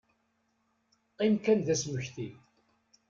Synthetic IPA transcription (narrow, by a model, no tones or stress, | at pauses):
imkænðæsməçθi